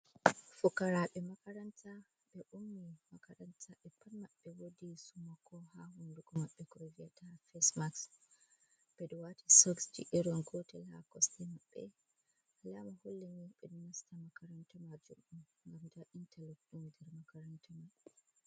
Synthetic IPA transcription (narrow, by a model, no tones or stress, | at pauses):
fukaɾaɓɛmakaɾantʰa | ɓɛʔumːimakaɾantʰaɓɛpːanmaɓːɛwodisumakɔhahunduɡɔmaɓːɛkɾovijatʰafɛsmaks | b̥ɛɗɔwatisɔksd͡ʒḭʔiɾɔnɡotɛla̰kɔstimaɓːɛ̰ | lamaholːemiɓɛdɔnastamakaɾantamad͡ʒumɗumŋɡamdaʔintʰalokɗumdɛɾmakaɾantʰama